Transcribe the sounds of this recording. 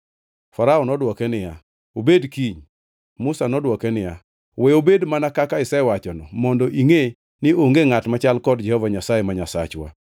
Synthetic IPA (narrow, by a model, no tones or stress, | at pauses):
faɾaɔnɔdwɔkɛnɪja | obedkiɲ | mʊsanɔdwɔkɛnɪja̰ | wɛobedmanakakaɪsɛwat͡ʃɔnɔmɔndoʔiŋe | nɪoŋɡeŋatmat͡ʃalkɔdd͡ʒɛhɔvaɲasajemaɲasa̰t͡ʃwa̰